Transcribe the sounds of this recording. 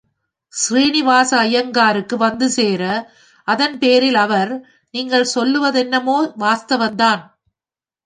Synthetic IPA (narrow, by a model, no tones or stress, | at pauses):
sriːnɪʋaːsɐːjɐŋɡaːɾɯkːɯʋɐnd̪ɯseːɾɐ | ʔɐðɐnpeːɾɪlɐʋɐɾ | niːŋɡɐɭsɔlːɯʋɐðɛnːɐmoːʋaːst̪ɐʋɐnd̪aːn